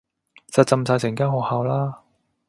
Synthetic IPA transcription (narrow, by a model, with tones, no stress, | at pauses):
t͡sɐ˨˧t̚t͡sɐ˧msaː˧jsʰɪ˨˩ŋkaː˥ŋho˨˧haː˨˧wlaː˥